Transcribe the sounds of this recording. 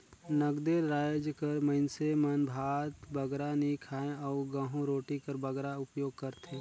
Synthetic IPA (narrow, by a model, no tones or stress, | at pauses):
nəɡd̪eːɾɾaːjd͡ʒkɐɾmə̃ɪnsemɐnbʱaːt̪bɐɡɾanikʰaːẽɔːɡəɦũɾoːʈikəɾbəɡɾaʊpjoːɡ̚kɐɾt̪e